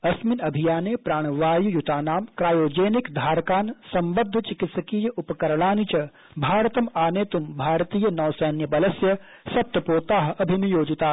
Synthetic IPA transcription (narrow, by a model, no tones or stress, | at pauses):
ɐsminɐbʱijaːnepɾaːɽ̃ʋaːjujut̪aːnaːmkɾaːjoːd͡ʒeːnikd̪ʱaːɾkaːnsɐmbɐd̪ʱːɐt͡ʃɪkɪt̪sɐkiːjɐʔupɐkɐɾɭaːnit͡ʃɐ | bʱaːɾt̪ɐmaːneːt̪umbʱaːɾt̪iːjɐnɔːwsɛːnjɐbɐlɐsjɐ | sɐp̚t̪ɐpoːt̪aːɦɐbʱinijoːd͡ʒit̪aː